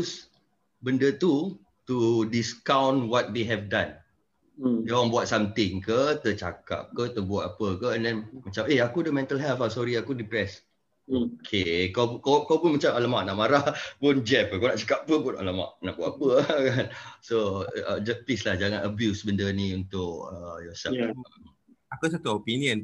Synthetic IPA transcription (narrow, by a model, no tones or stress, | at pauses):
s | bəndət̪u | t̪udiskawnwɔt̪̚d̪eɦɛvdãn | deaŋbuat̪̚samt̪ɪŋkət̪ət͡ʃa̰ka̰p̚kət̪əbuat̪apəkəɛndɛnmat͡ʃameakudəmɛ̃nt̪əlɦɛlfasɔɾiakudipɾɛs | okʰekakakawpunmat͡ʃamaləmaʔnaʔmaɾahpʊnd͡ʒɛpəkanaʔt͡ʃḁkap̚ːəpʊna̰ləma̰ʔnaʔbuat̪apəkansoə̰d͡ʒəpɪslahd͡ʒaŋãnəbjusəbəndəniunt̪ʊkəjɔsɛ̰l | akəs̬at̪uopiniə̃n